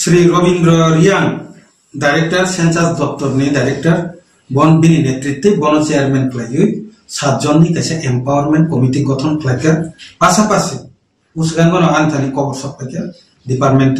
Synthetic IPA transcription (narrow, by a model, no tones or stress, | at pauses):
sɾiɾɔbindɾɔɾijaŋ | ɖajɾek̚ʈaɾsensasd̪ɔp̚t̪ɔɾnidajɾek̚ʈaɾ | bɔnbininet̪ɾit̪ːebɔnɔt͡ʃejaɾmenpʰlajɯ | sat̪̚d͡ʒɔnːik̪asɛʔempawaɾmenʈ̚kɔmitiɡɔt̪ʰɔnpʰlakaɾpasapasi | usɡanɡɔnɔɡant̪ʰanikɔbɔɾsɔp̚ake | dipaɾʈmenʈ